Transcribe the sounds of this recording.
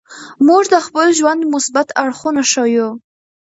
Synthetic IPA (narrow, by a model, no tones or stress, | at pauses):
muʐd̪əχpəlʒwand̪mʊsbat̪ʰaɽχunaʂaju